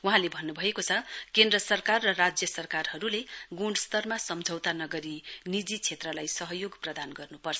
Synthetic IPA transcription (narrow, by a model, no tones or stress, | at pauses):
uɦãlebʱʌnːubʱʌekot͡sʰʌkend̪rʌsʌrkarːʌrad͡zjʌsʌrkarhʌɾuleɡuɽɖst̪ʌrmasʌmd͡zʱʌwt̪anʌɡʌɾinid͡zit͡sʰet̪rʌlajsʌɦʌjoɡprʌd̪anɡʌrnupʌrt͡sʰʌ